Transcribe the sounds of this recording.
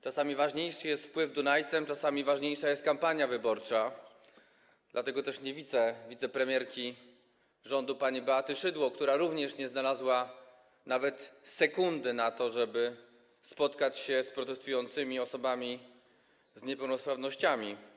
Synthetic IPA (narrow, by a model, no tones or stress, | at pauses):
t͡ʂasamʲivaʐɲejʂɘjɛst̪fpwɘvd̪unajt̪sɛmt͡ʂasamʲivaʐɲejʂajɛst̪̚kampaɲjavɘbɔɾt͡ʂa | d̪lʔat̪ɛɡɔt̪ɛʂɲɛvʲid̪zɛvʲit̪sɛpɾɛmʲjɛɾkʲi | ʐɔnd̪upaɲibɛat̪ɘʂɘd̪wɔkt̪uɾaɾuvɲɛʂɲɛznalazwa | navɛt̪sɛkund̪ɘnat̪ɔʐɛbɘ | spɔt̪kat͡ɕɕɛspɾɔt̪ɛst̪ujɔnt̪sɘmʲiɔsɔbamʲi | zɲɛpɛwnɔspɾavnɔɕt͡ɕamʲi